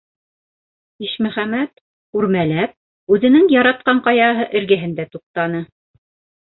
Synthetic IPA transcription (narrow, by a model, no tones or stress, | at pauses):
iʃmɵ̆χæmæt̪ | ʉɾmælæp̚ | ʉðɘ̆nɘŋjɑɾɑt̪̚qɑɴqɑjɑɦɤʔɘ̆ɾɡɘ̆ɦɘ̆nd̪æt̪uq̚t̪ɑnɤ